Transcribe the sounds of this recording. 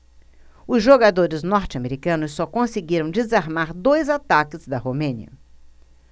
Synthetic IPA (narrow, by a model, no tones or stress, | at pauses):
ʊzʒoɡad̪oɾɪznɔɾt͡ʃɪameɾikɐ̃nʊsːɔkõseɡiɾɐ̃w̃d͡ʒɪzaɾmaɾd̪ojzat̪akɪzd̪ɐhomẽniɐ̰